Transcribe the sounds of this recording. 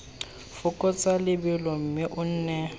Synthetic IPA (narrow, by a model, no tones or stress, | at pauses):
fʊkʼɔt͡sʼalɪbɪlɔm̩mɪʔʊn̩ːnɛ